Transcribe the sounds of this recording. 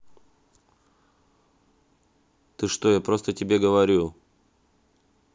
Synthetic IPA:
t̪ɨʂt̪o̞japɾo̞st̪ətʲɪbʲe̞ɡəvɐɾʲu

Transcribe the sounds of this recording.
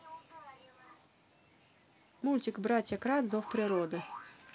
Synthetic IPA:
mulʲt̪ʲɪkbɾat̪ʲjɐkɾad̪zɔfpɾʲɪɾod̪ɨ

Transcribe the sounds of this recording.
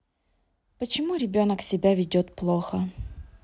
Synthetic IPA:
pət͡ɕɪmuɾʲɪbʲonəksʲɪbʲavʲɪdʲot̪plˠoxə

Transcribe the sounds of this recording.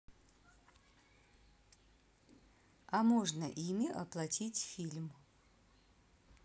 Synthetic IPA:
amoʐnəʔimʲiʔɐ̰plˠɐtʲitʲfʲilʲm

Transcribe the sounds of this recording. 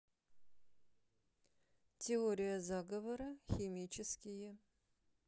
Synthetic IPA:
tʲʰeoɾʲɪjɐzaɡɐvɐɾɐxʲimʲit͡ʃʰɪskʲɪjɛ

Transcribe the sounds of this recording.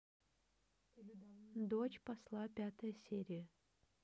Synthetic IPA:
d̪ot͡ɕpɐslˠapʲat̪ʰɐjəsʲeɾʲijə

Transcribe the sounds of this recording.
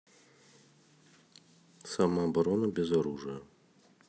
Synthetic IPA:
samaɐbɐɾonɐbʲɪzɐɾuʐɨjə

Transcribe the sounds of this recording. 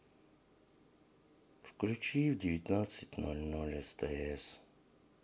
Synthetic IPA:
fklʲut͡ʃivdʲɪvʲit̪nat̪sɨtʲnolʲnɔlʲest̪ɐɛs

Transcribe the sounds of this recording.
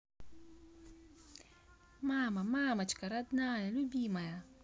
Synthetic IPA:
maːmamaːmat͡ʃkaɾad̪naːjalubimaja

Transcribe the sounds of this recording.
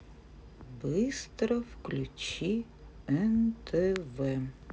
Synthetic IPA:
bɨɪst̪ɾɔwklʲut͡ɕʲi | ɛnt̪ʰɛʋɛ

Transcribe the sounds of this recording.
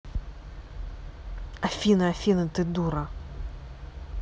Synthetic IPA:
ɐfʲinɨɐfʲinɨt̪ɨd̪uɾɐ

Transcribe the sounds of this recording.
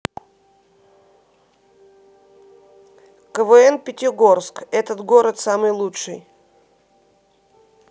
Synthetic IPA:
kəvɨɛnpʲɪtʲɪɡo̞rskɛt̪ət̪ɡo̞ɾət̪samɨjlˠuʂɨ̰j

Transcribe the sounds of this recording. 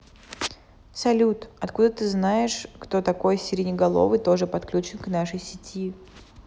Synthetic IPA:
sɐlʲut̪ɐt̪kud̪ət̪ɨznajɪʂkt̪o̞t̪ɐko̞jsʲɪɾʲɪnʲɪɡɐlˠo̞̰vɨt̪o̞ʐɨpɐt̪klʲut͡ɕɪnknaʂəjsʲɪtʲi

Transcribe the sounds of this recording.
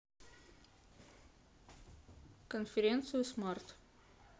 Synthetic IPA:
kənfʲɪɾʲent̪sɨjʊsmart̪

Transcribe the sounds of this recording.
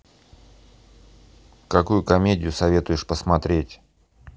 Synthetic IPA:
kɐkujʊkɐmʲedʲɪjʊsɐvʲe̞t̪ʊjɪʂpəsmɐt̪ɾʲetʲ

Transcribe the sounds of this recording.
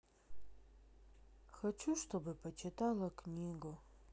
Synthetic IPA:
xɐt͡ʃʰuʂtʰobɐpʰɐt͡ʃʰɪtʰalɐknʲiːɡo

